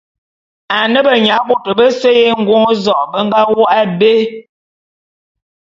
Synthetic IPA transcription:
a˨nə˦bə˨ɲa˨˦bo˨tə˨bə˦se˦je˦ŋ̩˦ɡwo˦ŋ˦zɔ˨ʔbə˦ŋ̩˦ɡa˦wo˦ʔa˦be˦

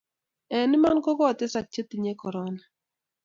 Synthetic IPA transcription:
ɛ˨nɪ˦ma˦nkɔ˦kɔ˦˨t̪ɪ˦sa˨k̚t͡ʃe˦t̪i˨ɲe˦kɔ˨ɾɔ˦na˨

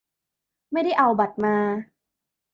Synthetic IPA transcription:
ma˥˩jda˥˩jʔa˧wba˨˩t̪̚maː˧

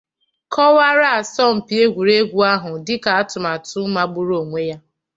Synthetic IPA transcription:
kʰɔ˦wa˦ɾa˦a˨sɔ˦m̩˨pi˨e˦ɡʷu˨ɾe˦ɡʷu˦a˦ɦʊ˨dɪ˦ka˨a˦tʊ˨ma˨tʊ˦ma˦ɡ͡bʊ˦ɾo˦˨ŋʷe˦ja˦

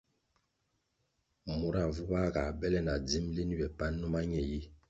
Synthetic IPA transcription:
mu˨˦ɾa˨vu˦ba˦ka˨bɛ˦lɛ˦na˨d͡zi˦mle˦ni˦bɛ˨pa˦nːu˦ma˦ɲɛ˨ji˦

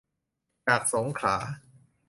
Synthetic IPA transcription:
t͡ɕaː˨˩k̚so˩˦ŋkʰla̰ː˩˦

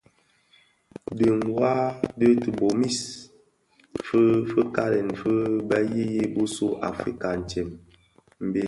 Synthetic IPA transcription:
də˨ŋwa˦də˦tə˨bo˨mi˦s | fə˦fə˦ka˦ɾɛ˨n˨fə˦bə˦ji˦je˦bu˦su˦ʔa̰˨fɾi˦ka˨n̩˨t͡ʃe˨m | m̩˦be˦

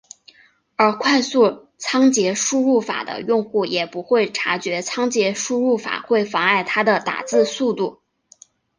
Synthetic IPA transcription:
ə˞˧˥kʰwa˥˧ɪsu˥˩ | t͡sʰɑ˥ŋt͡ɕjɛ˧˥ʂu˥ɻu˥˩fa̰˨˩d̪ə̰˦jʊ˥˧ŋxu˥˩jɛ˨˩pu˧˥xwe˥˩ɪʈ͡ʂʰa˧˥t͡ɕɥɛ˧˥t͡sʰɑ˥ŋt͡ɕjɛ˧˥ʂu˥ɻu˥˩fa̰˨˩xwe˥˩ɪfɑ˧˥ŋa˥˩ɪt̪ʰa˥d̪ə˨t̪a̰˨˩t͡sɹ̩˥˧su˥˧t̪u˥˩

